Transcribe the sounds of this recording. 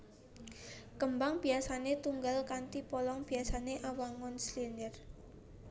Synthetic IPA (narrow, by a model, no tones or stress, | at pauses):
kəmbaŋb̥iasanet̪uŋɡalkant̪ipɔlɔŋb̥i̤asaneʔawaŋɔnslinər